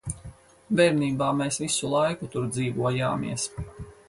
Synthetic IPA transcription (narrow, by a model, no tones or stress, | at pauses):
bɛɾniːbaːmeːsvisulˠajkut̪uɾd̪ziːvuɔja̰ːmḭɛəs